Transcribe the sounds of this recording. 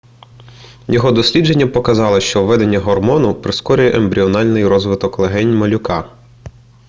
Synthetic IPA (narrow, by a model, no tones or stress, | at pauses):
jɔɦɔd̪ɔsʲlʲid͡ʒe̞nʲːɐpɔkɐzɑlˠɪʃt͡ʃɔwʋːɛd̪e̞nʲːɐɦɔrmɔnʊpɾɪskɔɾʲʊjɛʔembɾʲiɔnɑlʲnɪjɾɔzʋɪt̪ɔklˠeɦɛnʲmɔlʲʊkɑ